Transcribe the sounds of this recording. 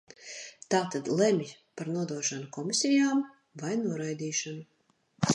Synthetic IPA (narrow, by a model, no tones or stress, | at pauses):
t̪aːt̪ad̪lˠɛmʲj | paɾnuɔd̪uɔʃanukɔmʲisʲɛjaːm | vajnuɔɾajd̪iːʃanu